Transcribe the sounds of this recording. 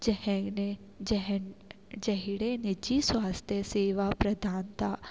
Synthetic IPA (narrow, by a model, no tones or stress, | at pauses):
d͡ʒɦ | ɦ | d͡ʒɐɦiɽenɪd͡ʒiswaːst̪ʰjəseːʋapɾɐd̪ʱaːnt̪ʰaː